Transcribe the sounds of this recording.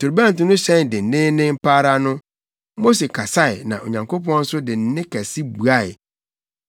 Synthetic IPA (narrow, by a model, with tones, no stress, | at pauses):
tʰʊ˨ɾbã˦n̩˨tʊ̃˦nʊ̃˦ɕɛ̃˦n˨dɪ˨n̩˨nɪ̃˦nɪ̃˦m˦pʰaː˦ɾa˦nʊ̃˦ | mo˦se˨kʰa˨sa˦ɪ˨nã˨ʔo̰˨ɲã˨ŋkʰo˦pɔ̃˦n̩˦sʊ˦dɪ˨n̩˦nɪ̃˦kʰɛ˨si˦bu˨a˦˨ɪ˨